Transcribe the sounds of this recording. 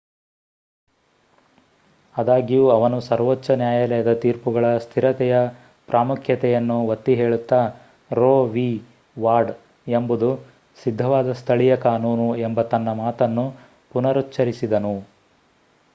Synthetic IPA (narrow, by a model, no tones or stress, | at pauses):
ɐd̪aːɡijuɐʋɐnusɐɾʋot͡ʃːɐnjaːjɐlɛjɐd̪ɐt̪iːɾpuɡɐɭɐst̪ʰiɾɐt̪ɛjɐ | pɾʔaːmukʰjɐt̪ɛjɐnːuʋɐt̪ːiɦeːɭut̪ːaː | ɾoːʋiː | ʋaːɾɖ | e̞mbud̪u | sid̪ʱːɐʋaːd̪ɐst̪ʰɐɭijɐkaːnuːnuembɐt̪ɐnːɐmaːt̪ɐnːu | punɐɾutːt͡ʃːɐɾisid̪ɐnu